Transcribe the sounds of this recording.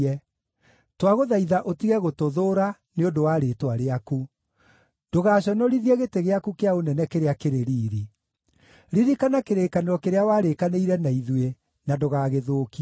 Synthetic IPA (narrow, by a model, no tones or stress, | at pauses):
ɛ | twaɣoðaiðaʔotiɣɛɣotoðoːɾa | neondowaːɾetwaɾeaku | d̥oɣaːɕɔnɔɾiðiɛɣeteɣeakukeaonɛnɛkeɾeakeɾeɾiːɾi | ɾiɾikanakeɾeːkaneɾɔkeɾeawaːɾekaneiɾɛnaiðwe | nadoɣaːɣeðoːki